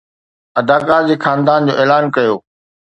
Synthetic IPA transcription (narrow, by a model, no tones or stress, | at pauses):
ɐd̪aːkaːɾd͡ʑiːxʰaːnd̪aːnd͡ʑo̰ːʔeːlaːnkɐjoː